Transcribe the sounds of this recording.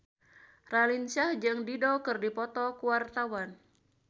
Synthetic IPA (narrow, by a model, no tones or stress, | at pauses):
ralinsahd͡ʒɨŋdidɔkɨrdipɔt̪ɔkuwart̪awan